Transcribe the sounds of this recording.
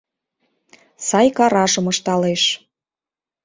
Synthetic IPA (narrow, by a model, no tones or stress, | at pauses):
sɑjkɑɾɑʒɤ̆mɤʃt̪ɑleʃ